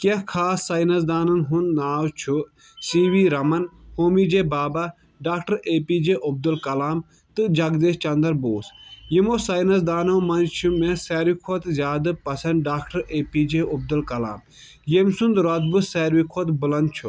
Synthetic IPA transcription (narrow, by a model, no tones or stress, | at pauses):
kehkʰaːsːɐjnɐzd̪aːnɐnɦunnaːwt͡ʃʰu | siːʋiːɾɐmɐnhoːmid͡ʒeːbaːba | ɖaːkʈɐɾeːpiːd͡ʒeʔob̚d̪ulkɐlaːm | t̪ɨd͡ʒɐɡd̪eːst͡ʃɐnd̪ɐɾboːsjimosɐjnɐsd̪aːnɐwmɐnd͡ʒt͡ʃʰumẽsɛːɾʋikʰot̪zʲaːd̪ɨpɐsɐnɖaːkʈɐɾeːpiːd͡ʒeub̚d̪ɐlkɐla̰ːm | jemsund̪ɾɐt̪̚busɛːɾʋikʰoːt̪bulɐnd̪̚t͡ʃʰu